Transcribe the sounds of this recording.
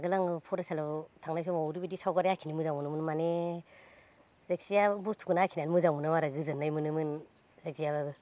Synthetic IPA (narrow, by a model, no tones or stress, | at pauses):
ɡɯlaŋɯpʰɔɾasalatʰaŋnajs̬ɔmauɾibidisawɡaɾjakʰinimɯzaŋmunɯmɯnmane | zek̚sijabutʰu̥kɯnaakʰinanmɯzaŋmɯnɯmaɾaɡɯzɯnːajmɯnɯmɯn | zek̚sijabaɡɯ